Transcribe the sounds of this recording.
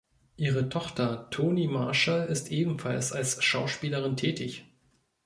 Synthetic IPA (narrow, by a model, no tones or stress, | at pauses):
ʔiːʁətʰɔχtɐtʰoːnimaɐʃalɪstʔeːbm̩falsalsʃaʊʃpiːləʁ̞ɪntʰɛːtʰɪç